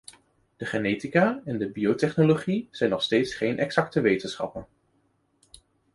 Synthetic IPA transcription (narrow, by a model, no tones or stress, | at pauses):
d̥əχənejtikaːɛndəbiotɛχnoloχiz̥ɛjnɔχstejtsχejnʔɛɡsɑktəʋejtənsχɑ̰pən